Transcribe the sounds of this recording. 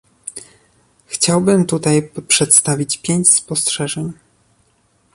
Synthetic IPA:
xt͡ɕawbɘmt̪ut̪ajpʂɛt̪st̪avʲit͡ɕpʲjeɲt͡ɕspɔstʂɛʐɛɲ

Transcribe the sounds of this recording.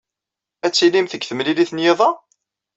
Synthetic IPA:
æt͡sːilimθəɡθəmliliθnjeðˤɑ

